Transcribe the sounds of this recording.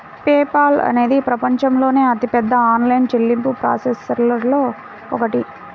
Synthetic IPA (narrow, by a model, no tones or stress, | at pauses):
peːpaːlɐ̰neːd̪ipɾɐpɐɲt͡ʃɐmlo̞ːne̞ːɐt̪ipɛd̪ːɐaːnlɐjnt͡ʃelːimpupɾa̰ːsesːɛɾlɐɾlo̞ː | ɔkɐʈi